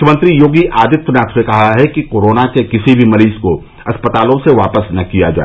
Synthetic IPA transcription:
kʰəmə̃nt̪ɾijoːɡiʔaːd̪ɪt̪wənaːksekɐɦaɦɛkikoːɾoːnakekɪsibʱimɐɾiːsko | ɐspət̪aːlõseʋaːpəsnɐkija̰d͡ʒa̰ːe

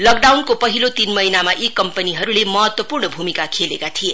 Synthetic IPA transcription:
lʌk̚ɖawnkopʌɦilot̪inmʌinamaʔekːʌmpəniɦʌɾulemʌɦʌt̪wʌpurnʌbʱumikakʰelḛkat̪ʰije

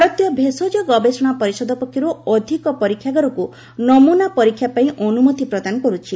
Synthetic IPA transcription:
ɾɔt̪jɔbʱesod͡ʒɔɡɔbesɔɽ̃apɔɾisɔd̪ɔpɔkʰːjɔɾuɔd̪ʱikɔpɔɾikʰːjaɡɔɾɔku | nɔmunapɔɾikʰːjapaĩʔɔnumut̪ipɾɔd̪anɔkɔɾut͡ʃʰi

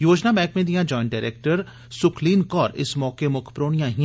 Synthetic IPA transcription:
joːd͡ʒnamɛ̃ːkmẽd̪ijãd͡ʒɔːɪ̃ɳʈɖaːɪɾḛːk̚ʈəɾ | sʊkʰliːnkɔːɾɪ̰smɔːkemʊkʰpɾoːɳijãɦĩ

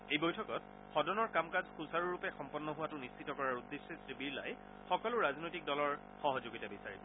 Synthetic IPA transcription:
ejbojtʰɔkɔt | xɔdɔnɔɹkamkazxusaɹuɹupɛxɔmpɔnːɔɦʊwatʊnist͡ʃʰitɔkɔɹaɹudːesːesɹibiɹla̰j | xɔkɔlʊɹaznojtik̚dɔlɔɹ | xɔɦɔzoɡitabisaɹibɔ

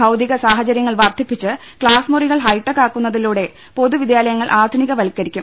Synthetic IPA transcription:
ɐwd̪iɣɐsaːɦɐt͡ɕɐɾjɐŋːɐɭʋɐrd̪ʱipːit͡ɕːɨ | kɭaːsmuriɣɐɭɦɐjʈːɐkːaːkːunːɐðiluːɽe̞ | po̞ðuʋid̪jaːlɐjɐŋːɐɭʔaːd̪ʱuniɣɐʋɐlkːɐɾikʲːum

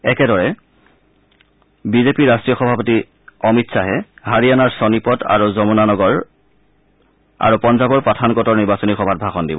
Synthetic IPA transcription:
ɛkɛdɔɹɛ | bizepiɹastɹijɔxɔbʱapoti | ɔmitsaɦɛhaɹianaɹsɔnipɔta̰ɹuzɔmɔnanɔɡɔɹ | a̰ɹupɔnzabɔɹpatʰankɔtɔɹniɹbasɔnixɔbʱat̚bʱaxɔndibɔ

